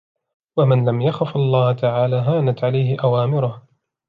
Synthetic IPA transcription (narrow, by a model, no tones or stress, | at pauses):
wamɪnlamjaxafɑlˤːɑːht̪aʕaːlaːɦaːnat̪ʕalajhɪʔawaːmɪɾˤʊh